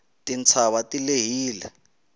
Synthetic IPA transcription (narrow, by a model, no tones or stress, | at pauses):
tint͡sʰaβatileɦiːlɛ